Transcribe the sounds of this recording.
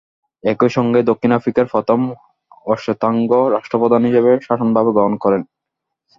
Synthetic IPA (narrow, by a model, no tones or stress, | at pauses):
ɛkoʃɔŋɡed̪okʰːinafɾikaɾfɔt̪om | ɔʃot̪aŋɡoɾaʃʈopɔd̪anɦiʃeβeʃaʃonbʱabeɡɔɦonkɔɾen